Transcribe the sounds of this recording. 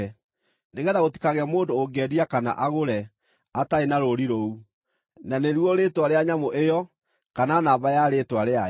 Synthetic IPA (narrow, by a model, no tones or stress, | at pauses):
ɛ | neɣɛðaɣoti̥kaɣɛmoːndoːɡɛɾiakana̰ʔaɣoɾɛ | ataenaɾoɾiɾou | naneɾwɔɾeːtwaɾeaɲamoʔejɔ | kananaːβajaɾeːtwaɾea